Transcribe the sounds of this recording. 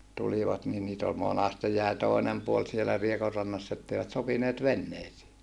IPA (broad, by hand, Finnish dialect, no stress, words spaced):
tuliʋɑt ni niːt ol monɑste jæi toˑinem puol sielæ riekorːɑnːɑsː etːeiʋæt sopineːt ʋenːeisiː